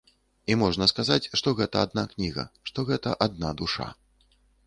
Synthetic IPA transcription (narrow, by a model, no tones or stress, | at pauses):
imɔʐnɐskazat͡sʲʂt̪ɔɣɛt̪ɐad̪̚naknʲiɣɐ̰ʂt̪ɔɣɛt̪ɐ̰ʔad̪̚nad̪uʂa̰